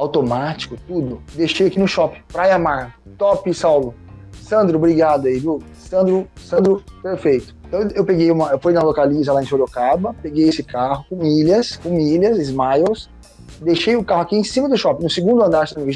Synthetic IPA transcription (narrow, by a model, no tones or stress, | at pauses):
awt̪omat͡ʃi̥kʊt̪ud̪ʊd̪eʃejakinʊʃɔpɪ̥pɾajamaɾt̪ɔpɪsawlʊsɐ̃nd̪ɾʊbɾiɡad̪ʊaiviw | sɐ̃nd̪ɾʊsɐ̃nd̪ɾʊpeɾfejt̪ʊ̥ẽt̪ɐ̃w̃ewpeɡejũmɐewfujnɐlokalizɐlaẽfoɾokabɐpeɡejesɪkaɦʊkũmilɐskõmilɐzizmajos | d̪eʃejʊkahʊakiẽsĩmɐd̪ʊʃɔpɪnʊsiɡũnd̪ʊɐ̃nd̪aɾʃɐ̃ĩve